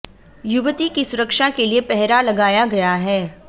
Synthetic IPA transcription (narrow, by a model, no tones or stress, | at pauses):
jʊʋt̪ikisʊɾəkʃakeliepɛɦɾalɐɡaːjaɡɐjaɦɛː